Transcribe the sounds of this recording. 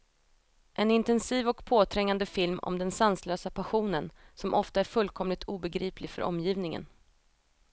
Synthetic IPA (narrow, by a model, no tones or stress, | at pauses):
ʔɛnɪnt̪ɛnsiːvɔkpʰoːt̪ʰɾɛŋːand̪əfɪlmɔ̰md̪ɛnsansløːsapʰaɧuːnənsɔmʔɔft̪aæɾfɵlːkʰɔmlɪt̪ʰuːbɛɡɾiːplɪɡfœ̰ɾʔɔ̰mːjiːvnɪŋə̰n